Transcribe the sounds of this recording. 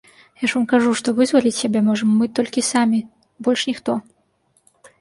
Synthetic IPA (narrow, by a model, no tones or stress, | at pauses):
jaʂvamkaʐuʂt̪ɔvɨzvalʲit͡sʲsʲabʲɛmɔʐɐmːɨt̪ɔlʲkʲisamʲi | bɔlʲʂnʲixt̪ɔ